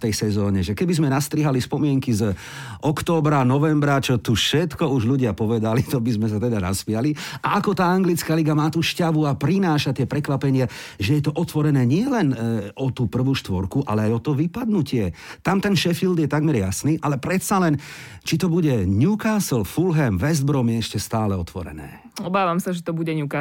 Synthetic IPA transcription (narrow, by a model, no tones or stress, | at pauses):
ft̪ɛjsɛzɔːɲɛʒɛkɛbizmɛnast̪ɾiɦalispɔmɪɛŋkiz | ʔɔkt̪ɔːbɾanɔʋɛmbɾat͡ʃɔt̪uʃɛt̪kɔuʒʎuɟɪapɔʋɛd̪alit̪ɔbizmɛsat̪ɛd̪ana̰spɪaliʔaʔakɔt̪aːaŋɡlit͡skaːliɡamaːt̪uːʃcaʋuapɾinaːʃat̪ɪɛpɾɛkʋapɛɲɪa | ʒɛjɛt̪ɔʔɔt̪ʋɔɾɛnɛːɲɪɛlɛnɔt̪uːpr̩ʋuːʃt̪ʋɔɾkuʔa̰lɛajɔt̪ɔʋipad̪nucɪɛt̪amt̪ɛnʃɛfild̪jɛt̪aɡmɛɾjasniːʔalɛpɾɛt̪salɛn | t͡ʃit̪ɔbuɟɛɲukaːslfulɦɛmʋɛzd̪̚bɾɔmjɛɛʃcɛst̪aːlɛɔt̪ʋɔ̰ɾɛ̰nɛ̰ː | ɔbaːʋamsaʒɛt̪ɔbuɟɛɲuka